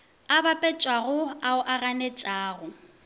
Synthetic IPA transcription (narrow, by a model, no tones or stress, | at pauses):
abapʼɛt͡ʃʼwaɣʊaʊʔaɣanɛt͡ʃʼaːɣʊ